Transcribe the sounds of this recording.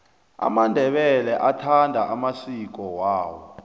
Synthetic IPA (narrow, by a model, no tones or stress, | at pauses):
a̰mandʱɛɓɛlɛʔatʰandʱaʔamasik̬ɔwaːwɔ